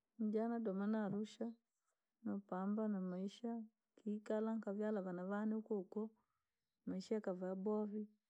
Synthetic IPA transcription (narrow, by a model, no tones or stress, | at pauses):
n̩d͡ʒanadɔmanaɾuʃa | nɔpambanamaiʃa | kikalaŋkavjalaβanaβaniukɔkɔ | maiʃakavabɔvi